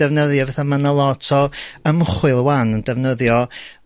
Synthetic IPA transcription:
ɛvnəðjɔvɛθamanalˠɔtʰɔəmχwɨlˠəwanəndɛvnəðjɔ

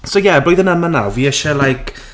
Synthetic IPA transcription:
sowjɛbloɨðənəmanawviːəʃɛlajkʰ

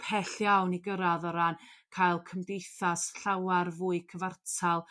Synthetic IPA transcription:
pʰɛɬjawniɡəɾaðɔɾankʰajlˠkʰəmdejθasɬawarvʊːɨkʰəvartʰalˠ

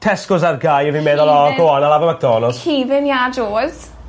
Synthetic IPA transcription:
tʰɛskʊsarɡajəvinmeːðɔlɔɡɔɔnalˠavamak̚d̥ɔːnɔskʰiːvɪnjad͡ʒoːz̥

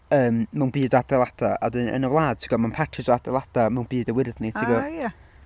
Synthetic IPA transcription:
əːmmawnbiːdadɛlˠad̥aɔ̰dənʔə̰nəvlˠaːd̥̚tʰiɡɔmanpʰatʰɪsɔadɛlˠad̥amawnbiːdəwɪrðnitʰiɡɔja

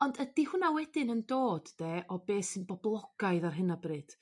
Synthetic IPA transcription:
ɔndəd̥ihʊnawɛdɪnəndoːd̥ːeːʔɔbeːsɨnbɔblˠɔɡ̥ajɨðarɦɨnabrɨd̥

